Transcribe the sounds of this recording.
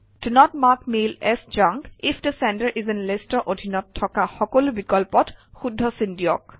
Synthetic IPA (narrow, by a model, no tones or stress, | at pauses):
tunɔtmakmelɛsd͡ʒãŋkifʰdəsɛntəɹʔizɛnlestɔʔodʱinɔtʰːɔkaxɔkolubikɔlpɔtxudʱːɔsindijɔk